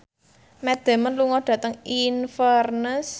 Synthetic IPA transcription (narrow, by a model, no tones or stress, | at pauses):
mɛd̪̥ɛ̤mənluŋɔɖ̥ä̤t̪əŋinfərnəs